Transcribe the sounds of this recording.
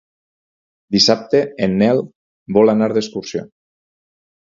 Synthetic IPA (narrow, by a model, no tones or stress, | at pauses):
d̪isap̚t̪eenːɛlˠ | bɔlanaɾðeskuɾsjo̰